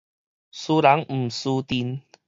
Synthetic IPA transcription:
suː˧la˨˦ŋm̩˨˩su˧t̪i˧n

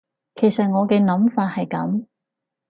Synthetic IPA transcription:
kʰe˨˩jsɐ˨t̚ŋɔː˨˧kɛ˧nɐ˨˥mfaː˧t̚hɐ˨jkɐ̰˨˥m

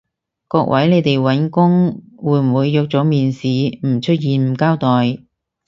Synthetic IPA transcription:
kɔː˧k̚wʔɐ̰˨˥jne˨˧jt̪e˨jwɐ˨˥nkʊ˥ŋ | wuː˨˧˥jm̩˨˩wuː˨˧jːɔ˧k̚t͡sɔː˨˥miː˨nsiː˨˧m̩˨˩t͡ʃʰɵ˥t̚jiː˨nm̩˨˩kaː˥wt̪ɔː˨j

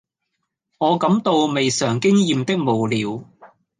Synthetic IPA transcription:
ŋɔː˨˧kɐ˨˥mt̪o˧wme˨jsœː˨˩ŋkɪ˥ŋjiː˨mt̪ɪ˥k̚mo˨wliː˨˧w

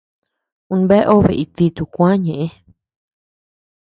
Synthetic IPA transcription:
ũ˧be˦ʔo˦βḛ˨ʔi˧t̪i˧t̪u˧kʷã˦ɲẽ˨ʔẽ˦

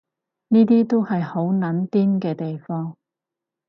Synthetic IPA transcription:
niː˥t̪̬iː˥t̪o˥whɐ˨jho˨˥wnɐ˨˥nt̪iː˥nkɛː˧t̪e˨jfɔː˥ŋ

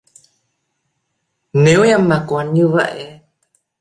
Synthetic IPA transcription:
ne˨˦wɲa˧ma˨˩kwa˨˦nɲɨ˧və̰˧˨jʔe˧˦

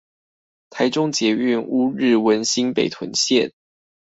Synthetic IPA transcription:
t̪ʰa˧˥ɪʈ͡ʂʊ˦ŋt͡ɕjɛ˧˥y˥˩nu˥ɻɻ̩˥˩wə˧˦˥nɕi˥npe˨˩ɪt̪ʰwə˧˦nɕjɛ˥˨n

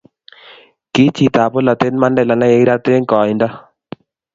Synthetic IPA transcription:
ki˦t͡ʃi˨t̪a˨pɔ˦la˨t̪e˦nma˦ndɛ˦˨la˨la˦je˨i˦ɾa˦t̪e˦ŋkɔ˨ɪ˨ndɔ˦

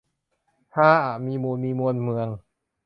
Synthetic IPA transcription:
t̪ʰaː˥˩ʔaː˨˩miː˧muː˧nmiː˧mu˧nmɯ˧əŋ

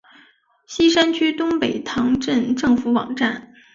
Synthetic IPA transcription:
ɕi˥ʂa˥nt͡ɕʰy˥t̪ʊ˥ŋpe˨˩ɪt̪ʰɑ˧˥ŋʈ͡ʂə˥˧nʈ͡ʂɤ˥˩ŋfu˧˥wɑ̰˨˩ŋʈ͡ʂa˥˩n

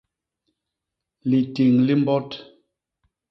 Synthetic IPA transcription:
li˨ti˨ŋli˦m˦bɔ˦t

